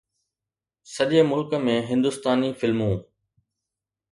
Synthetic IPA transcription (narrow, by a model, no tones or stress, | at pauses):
sɐʄəmʊlkə̆mẽɦɪ̃nd̪ʊst̪aːnifɪlmũː